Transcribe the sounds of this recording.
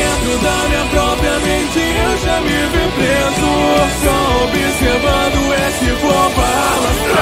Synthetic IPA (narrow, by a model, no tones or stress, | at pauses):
ẽt̪ɾʊd̪amiɐpɾɔpɾiɐmẽt͡ʃɪewʒamivipɾezʊsõobiseɾvãd̪ʊesɪfopalɐ